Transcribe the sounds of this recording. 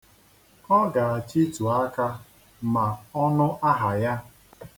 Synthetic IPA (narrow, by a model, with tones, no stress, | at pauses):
ɔ˦ɡa˨a˨t͡ʃi˦tu˨a˦ka˦ | ma˨ɔ˦nʊ˦ʔa˦ɦa˨ja˦